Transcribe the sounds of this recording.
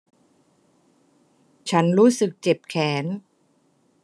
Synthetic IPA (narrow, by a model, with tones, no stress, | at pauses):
t͡ɕʰa˦˥nɾuː˦˥sɯ˨˩k̚t͡ɕe˨˩p̚kʰɛː˩˦n